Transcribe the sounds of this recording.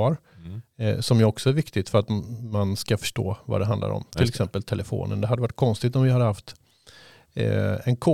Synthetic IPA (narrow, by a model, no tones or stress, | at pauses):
ɑɾ | sɔmjɵɔksɔæɾvɪkt̪ɪt̪fœɾat̪manskafœ̥ʂʈo̰ːva̰d̪ɛɦand̪a̰ɾɔ̰mt̪ʰɪlɛksɛmpəlt̪ʰɛlɛfo̰ːnə̰nd̪ɛhɦad̪ːɛvaʈ̚ːkʰɔnst̪ɪɡt̪ɔmvɪhad̪ːəhaft̪ | ɛnkʰoː